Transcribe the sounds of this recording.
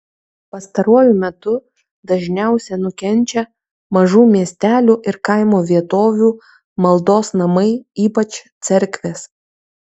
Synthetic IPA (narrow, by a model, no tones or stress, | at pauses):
pɐst̪ɐɾuɔjʊmʲɛt̪ʊ | d̪ɐʒʲnʲæˑʊsʲɛnʊkʲɛnʲt͡ʃʲɛ | mɐʒuːmʲiɛsʲt̪ʲæːlʲuːʔɪɾkɐɪmoːʋʲiɛt̪oːʋʲuː | mɐlˠd̪oːsnɐmɐɪiːpɐt͡ʃt̪sʲɛɾʲkʲʋʲeːs